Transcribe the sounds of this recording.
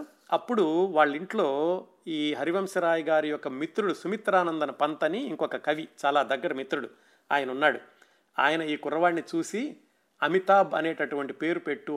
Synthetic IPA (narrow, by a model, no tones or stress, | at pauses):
ɐpːuɽuʋaːɭːiɳʈlo̞ː | iːɦɐɾiʋɐmʃɐɾaːjɐɡaːɾijɔkːɐmit̪ɾuɽusumit̪ɾaːnɐnd̪ɐnɐpɐnt̪ɐniːŋkɔkɐkɐʋit͡ʃaːlaːd̪ɐɡːɐɾɐmit̪ɾuɽu | a̰ːjɐnɐunːaːɽu | a̰ːjɐnɐiːkʊɾɐʋaːnnit͡ʃuːsi | ɐmit̪aːbɐ̰ne̞ːʈɐʈuʋɐɳʈipe̞ːɾupe̞ʈːu